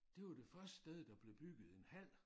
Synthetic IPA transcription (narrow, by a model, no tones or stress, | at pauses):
d̥e̝ʋɑd̥e̝fɶɐsd̥ə̥sd̥eð̞ˠd̥ɑ̈b̥le̝b̥yɡ̥ð̞̩ˠe̝nhæl̰